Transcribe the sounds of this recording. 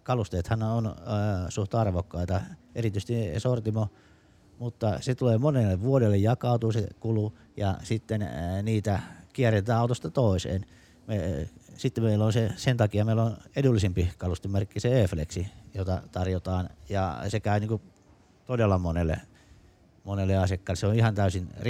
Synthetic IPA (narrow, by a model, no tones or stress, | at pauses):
kɑlust̪eːt̪hɑnonsuht̪ɑɑrʋokːɑit̪ɑḛrit̪yist̪isort̪imo | mut̪ːɑset̪uleːmonelːeʋʋuodelːejjɑkɑˑut̪uːsekulu | jɑsit̪ːenniːt̪ækiæret̪æːɑˑut̪ost̪ɑt̪oˑisḛːn | mesit̪ːemmeilːonsesent̪ɑkiɑmeilːonedulːisimpihkɑlust̪emerkːiseeflḛksijot̪ɑt̪ɑrjot̪ɑːnjɑ̰sekæyniːŋku | t̪odelːɑmonelːḛ | monelːeɑsekːɑːlːˑeseonihɑnt̪æysinr